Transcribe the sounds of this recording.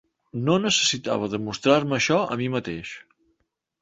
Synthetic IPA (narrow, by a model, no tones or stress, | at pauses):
nonəsəsit̪a̰β̞əðəmust̪ɾaɾməːʃɔə̰mimət̪eʃ